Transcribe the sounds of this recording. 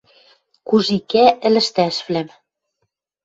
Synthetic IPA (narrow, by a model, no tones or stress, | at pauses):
kuʒikæʔɘ̆lɘ̆ʃt̪æʃβlæm